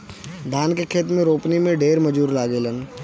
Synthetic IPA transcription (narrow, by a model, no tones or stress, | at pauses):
d̪ʱaːnkekʰeːt̪mẽɾoːpnimẽɖeːɾməd͡ʒuːɾlaːɡeːlən